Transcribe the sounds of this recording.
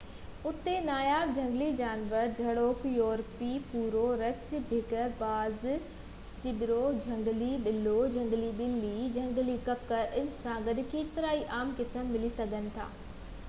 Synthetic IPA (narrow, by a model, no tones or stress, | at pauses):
ʊt̪enaːjaːʋd͡ʑʱɐ̃ŋɡlid͡ʑaːnʋəɾd͡ʑʱɐɽoːkjoːɾpipuːɾoɾɐt͡ɕbʱeːkəɾbaːz | t͡ɕɪɓbɪɾod͡ʑʱɐ̃ŋɡliɓɪlod͡ʑʱɐ̃ŋɡliɓɪlːid͡ʑʱɐ̃ŋɡlikɐpkəɾʔɪnɪ̆sãɡɐɗ̆keːt̪ɪɾaːiʔaːmkɪsəmːɪlisɐɡʱənɪ̆t̪ʰa̰ː